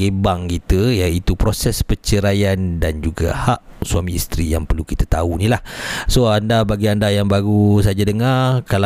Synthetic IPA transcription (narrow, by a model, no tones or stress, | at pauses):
ebaŋkit̪əjait̪upɾosɛspət͡ʃəɾajandand͡ʒuɡa̰haʔ | suamĩːst̪ɾijaŋpərlukit̪ət̪aunilahsoandabaɡiandajaŋbaɡusad͡ʒadəŋarkal